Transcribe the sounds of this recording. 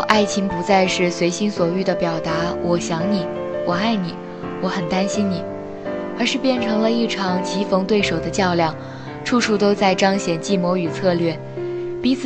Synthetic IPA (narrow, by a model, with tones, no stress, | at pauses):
ʔa˥˩ɪt͡ɕʰi˧˥ŋpu˧˥t͡sa˥˧ɪʂɻ̩˥˩swe˧˥ɪɕi˥nswɔ˨˩y˥˩d̪ə˩pjɑ˨˩ʊt̪a˧˥wɔ˨˩ɕjɑ˧˥ŋni˨˩˦ | wɔ˨˩a˥˩ɪni˨˩˦ | wɔ˧˥xə˨˩nt̪a˥nɕi˥nni˨˩˦ | ə˞˧˥ʂɻ̩˥˧pjɛ˥˩nʈ͡ʂʰɤ˧˥ŋlə˧i˥˩ʈ͡ʂʰɑ˨˩ŋt͡ɕi˧˥fɤ˧˥ŋt̪we˥˩ɪʂo˨˩ʊd̪ə˦t͡ɕjɑ˥˧ʊljɑ˥˩ŋ | ʈ͡ʂʰu˥˧ʂu˥˩t̪o˥ʊt͡sa˥˩ɪʈ͡ʂɑ˥ŋɕjɛ˨˩nt͡ɕi˥˩mwɔ˧˥y˨˩t͡sʰɤ˥˧lɥɛ˥˩ | pi˧˥t͡sʰ